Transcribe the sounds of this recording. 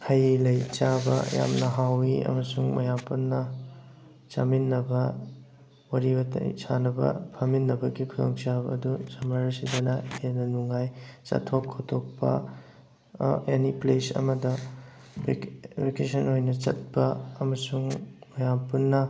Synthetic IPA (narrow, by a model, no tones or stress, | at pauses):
hɐjlɐjt͡ʃabɐ̰ja̰mnɐɦawiɐ̰mɐsuŋmɐ̰jampunːɐ | t͡ʃa̰minːɐbɐ | wɐɾibɐtsanɐbɐ̰pʰaminːɐbɐɡikʰulɐŋt͡ʃabɐ̰ːdusɐmaɾɐsidɐnɐhenɐnuŋajt͡ʃa̰tʰokʰːotʰok̚pɐ̰ | eniplesɐ̰mɐdɐ | bekesɐnojnɐt͡ʃɐ̰t̚bɐːmɐsuŋmɐjampunːɐ